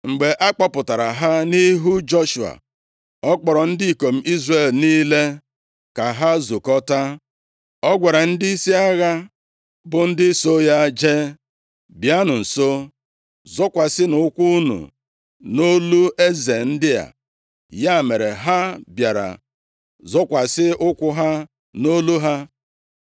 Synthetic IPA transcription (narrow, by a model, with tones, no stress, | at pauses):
ŋ͡m̩˨ɡ͡be˨ʔa˦k͡pa˦pʊ˨ta˨ɾa˨ɦa˦ni˦ɦu˦d͡ʒɔ˦ʃu˨a̰˨ | ɔ˦k͡pɔ˨ɾɔ˨n̩˦dɪ˦i˨ko˨m̩˦ʔi˦zre˨lniː˦le˦ | ka˨ɦa˦zu˨kɔ˦ta˦ | ɔ˦ɡʷa˨ɾa˨n̩˦dɪ˦i˦si˦a˦ɣa˦ | bʊ˨n̩˦dɪ˦so˦ja˦d͡ʒe˦ | bja˦nʊ˨n̩˨so˦ | zɔ˦kʷa˨sɪ˦nʊ˨˦kʷu˦nṵ˨ | no˦lu˦e˦ze˨n̩˦dɪ˦ja̰˨ | ja˦˨me˨ɾe˨ɦa˦bja˨ɾa̰˨ | zɔ˦kʷa˨sɪ˦ʊ˦kʷʊ˦ɦa˦ | no˦lu˦ɦa˦